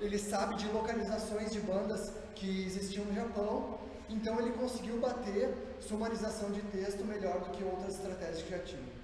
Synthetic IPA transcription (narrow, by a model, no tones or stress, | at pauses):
elɪsabɪd͡ʒɪlokalizasõj̃zd͡ʒɪbɐ̃nd̪ɐs | kɪezist͡ʃiɐ̃nʊʒapɐ̃w̃ | ẽnt̪ɐ̃w̃elɪkõsɪɡiwbat̪eɾ | sumaɾizasɐ̃w̃d͡ʒɪt̪est̪ʊmeʎɔɾd̪ʊkɪowt̪ɾɐzɪst̪ɾat̪ɛʒɐkɪʒat͡ʃĩvɐ